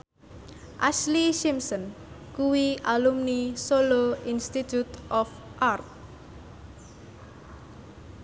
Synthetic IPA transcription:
ʔasliʃimsɔn | kuwiʔalumnisoloinst̪it̪ut̪ʔɔf | ʔart̪̚

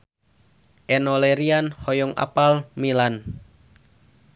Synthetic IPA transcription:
ʔɛnɔlɛɾianhɔjɔŋa̰palmilan

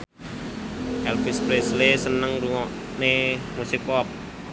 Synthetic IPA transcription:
hɛlfispɾeslesənəŋɾuŋɔʔ | nemusɪkɔp̚

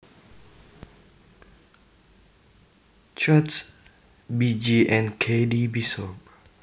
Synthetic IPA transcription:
t͡ʃats | bid͡ʒiʔɛ̃nkʰedibisɔp̚

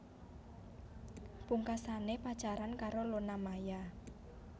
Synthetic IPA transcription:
puŋkasanepḁt͡ʃaɾankaɾolonamaja

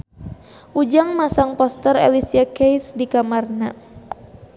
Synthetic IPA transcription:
ʔud͡ʒaŋmasaŋpɔst̪ərɛ̰lisiakejsdikamarna

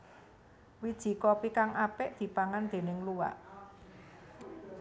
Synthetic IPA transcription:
wid̥ʒ̥i̤kɔpikaŋʔapɪʔd̪̥i̤paŋand̪̥e̤nɪŋluwa̰ʔ

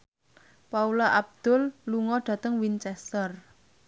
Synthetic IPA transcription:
paulaʔab̚d̪̥ʊ̤lːuŋɔɖ̥ä̤t̪əŋwint͡ʃɛst̪ər

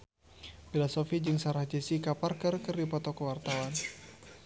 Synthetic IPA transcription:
filasofid͡ʒɨŋsaɾahd͡ʒɛsikaparkərkərdipɔt̪ɔkəwart̪awan

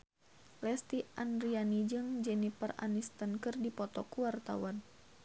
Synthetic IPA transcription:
lɛst̪iʔandɾianid͡ʒɨŋd͡ʒɛnipəra̰nist̪ənkɨrdipɔt̪ɔkuwart̪a̰wan

